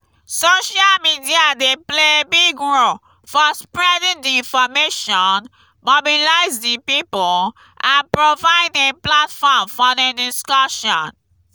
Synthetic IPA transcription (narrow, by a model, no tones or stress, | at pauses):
soʃalmidiadeplebiɡɹo | fɔspɹɛdĩndiĩnfɔmeʃɔ̃n | mɔbilaɪzdipipl | ʔãnpɹovaɪdeplatfɔmfɔdɛdiskɔʃɔ̰̃n